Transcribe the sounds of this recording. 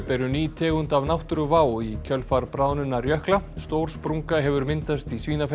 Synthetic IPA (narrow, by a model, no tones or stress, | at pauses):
pɛɾʏniːt̪ʰɛːɣʏnt̪avnawht̪ʏɾʏvaːwicʰœlfaɾpɾaːwnʏnːarjœhklast̪owɾ̥spɾuŋkaɦɛvʏɾmɪnt̪ast̪isviːnaf